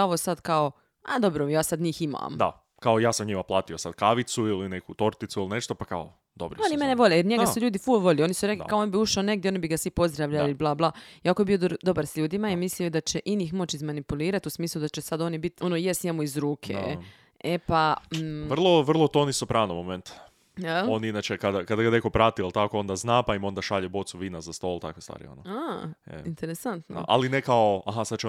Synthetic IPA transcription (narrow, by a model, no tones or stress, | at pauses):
o̞ʋosad̪kao | a̰d̪o̞bɾojaːsad̪ɲiːxima̰md̪a̰ | kaojaːsamɲimaplˠaːt̪iosad̪̥kaʋit̪suilinekut̪o̞ɾt̪it̪suiline̞ʃt̪opaka̰o | d̪obɾionimeneʋo̞ʎejeɾɲeɡasuʎuːd̪ifuʋo̞ʎeo̞nisuɾe̞kl̰kaonibiuʃaone̞ɡ̚d̪ʲeonibiɡasʋipo̞zd̪ɾaʋʎaliblˠaːblˠaːjakoebiod̪o̞baɾsʎuːd̪imaimisliod̪at͡ɕeʔinixmo̞t͡ɕizmanipuliːɾat̪usmiːslˠud̪at͡ɕesad̪o̞nibit̪onojest̪ɲemuizɾuːkʰḛ | epaʋr̩lˠoʋr̩lˠot̪onisopɾaːnomoment̪ | aoninat͡ʃekad̪akad̪aɡaneko̞pɾat̪ialˠt̪akoo̞nd̪aznaːpaimo̞nd̪aʃaʎebo̞t̪suʋiːnazast̪o̞lt̪a̰kʋest̪a̰ːɾḭo̰noaḛint̪eɾesant̪no̰a̰linekaoaɦasad̪̚t͡ʃe